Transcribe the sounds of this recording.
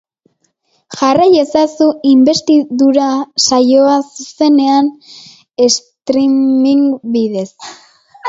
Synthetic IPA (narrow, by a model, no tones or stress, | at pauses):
ʝaraje̞sasuimbe̞st̪iðuɾasajo̞asuse̞ne̞an | e̞st̪ɾimiŋbiðe̞s